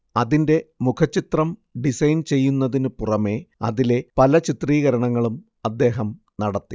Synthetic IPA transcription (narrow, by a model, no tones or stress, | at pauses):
ɐðinde̞mukʰɐt͡ɕːit̪rɐmɖisɐjnt͡ɕe̞jːunːɐðinɨpurɐme̞ɐ̰ðile̞pɐlɐt͡ɕit̪riːɣɐɾɐɳɐŋːɐɭum | ɐd̪ːe̞ːɦɐm | nɐɽɐt̪ːi